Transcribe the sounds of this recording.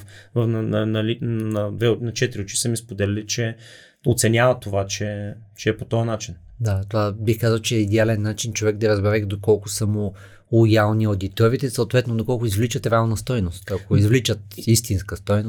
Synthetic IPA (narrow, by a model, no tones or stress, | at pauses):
vfnɐnɐnɐlinɐd̪vɛnɐt͡ʃɛt̪ɾiut͡ʃi̥səmispod̪ɛlʲɐlit͡ʃɛ | o̰t̪sɛnʲavɐt̪ovat͡ʃɛ | t͡ʃɛːpot̪ɔjɐnat͡ʃin | d̪at̪ovabixkazəlˠt͡ʃɛːid̪ɛalɛnːat͡ʃint͡ʃovɛɡ̚d̪ɐɾɐzbɛɾɛkd̪okɔlˠkʊsɐmʊ | lˠojalˠniod̪it̪ɔɾit̪ɛsɐot̪vɛt̪nod̪okɔlˠkʊizvlit͡ʃət̪ɾɛalˠnɐst̪ɔjnost̪ɐkoizvlit͡ʃət̪ist̪inskəst̪ɔjno